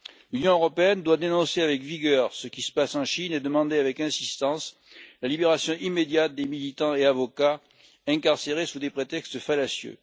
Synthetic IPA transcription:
lynjɔ̃øʁɔpeɛnd̪wad̪enɔ̃seavɛkviɡʲœʁsəkʲisə̥pasɑ̃ʃined̪əmɑ̃d̪eavɛkɛ̃sist̪ɑ̃s | lalibeʁasjɔ̃ʔimːed̪jat̪̚d̪emilit̪ɑ̃eavɔka | ɛ̃kaʁseʁesud̪epχet̪ɛkst̪falasjø̰

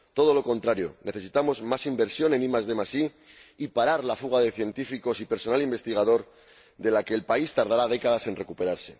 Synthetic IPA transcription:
t̪o̞ð̞o̞lo̞ko̞nt̪ɾaɾjo̞̰ne̞θe̞sit̪amo̞zmasimbe̞ɾsjo̞ne̞nimazðe̞masi | ipaɾaɾlafuɣ̞að̞e̞θje̞nt̪ifiko̞sipe̞ɾso̞nalimbe̞st̪iɣað̞o̞ɾ | d̪e̞lake̞ːlpaist̪aɾð̞aɾað̞e̞kað̞ase̞nrekupe̞ɾaɾse̞

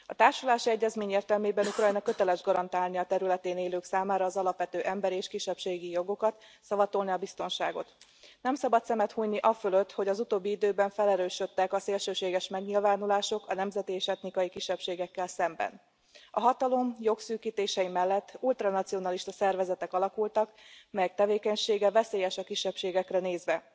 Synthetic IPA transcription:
ɒt̪aːrʃulaːʃiɛɟːɛzmeːɲeːrt̪ɛlmeːbɛnukrɒjnɒkø̞t̪ɛlɛʒɡɒɾɒnt̪aːlniɒt̪ɛɾylɛt̪eːneːløːksaːmaːɾɒːzɒlɒpʋɛt̪øːʔɛmbɛɾeːʃkiʃːɛpʃeːɡijo̞ɡo̞kɒt̪sɒvɒt̪o̞lniɒbist̪o̞nʃaːɡo̞̰t̪nɛmsɒbɒt̪sɛmɛt̪huːjniʔɒføløt̪ːho̞ɟɒzut̪oːbːiid̪øːbɛɱfɛlɛɾøːʃø̞t̪ːɛkɒseːlʃøːʃeːɡɛʃmɛɡɲilvaːnulaːʃo̞kɒnɛmzɛt̪ieːʃɛt̪nikɒjikiʃːɛpʃeːɡɛkːɛlsɛmbɛ̰n | ɒɦɒt̪ɒlo̞mjo̞ksyːkiːt̪eːʃɛjimɛlːɛt̪ːult̪rɒnɒt̪sijo̞nɒliʃt̪ɒsɛrvɛzɛt̪ɛkɒlɒkult̪ɒkmɛjɛk̚t̪ɛveːkɛɲʃeːɡɛvɛseːjɛʃɒkiʃːɛpʃeːɡɛkrɛneːzʋɛ

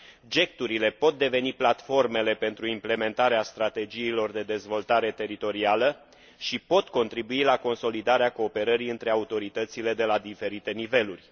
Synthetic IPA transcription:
d͡ʒe̞k̚t̪uɾile̞po̞t̪̚d̪e̞ve̞niplat̪fo̞rme̞le̞pe̞nt̪ɾuimple̞me̞nt̪aɾeast̪ɾat̪e̞d͡ʒiːlo̞rd̪e̞d̪e̞zvo̞lt̪aɾe̞t̪e̞ɾit̪o̞ɾialə | ʃipo̞t̪ko̞nt̪ɾibuilako̞nso̞lid̪aɾeako̞ːpe̞ɾəɾiɨnt̪ɾe̞aut̪o̞ɾit̪ət̪sile̞d̪e̞lad̪ife̞ɾit̪e̞nive̞lurʲ

